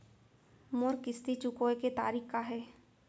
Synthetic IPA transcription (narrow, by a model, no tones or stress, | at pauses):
moɾkɪst̪it͡ʃʊkoːeket̪a̰ːɾiːkkaɦɛː